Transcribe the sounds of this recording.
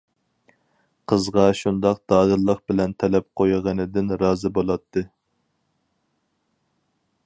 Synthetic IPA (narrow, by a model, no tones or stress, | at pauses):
qʰəzʁɑʃund̪ɑq̚d̪̥ɑːd̪ɨlˠːəqbɪlɛnt̪ʰɛlɛp̚qʰojʁənɨd̪ɪnɾɑːzɨbolˠɑt̪ʰːɨ